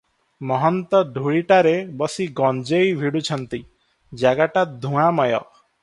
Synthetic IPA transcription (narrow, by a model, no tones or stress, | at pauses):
mɔɦɔnt̪ɔɖʱuɭiʈaɾebɔsiɡɔnd͡ʒejbʱiɽut͡ʃʰɔnt̪i | d͡ʒaɡaʈad̪ʱũamɔjɔ̰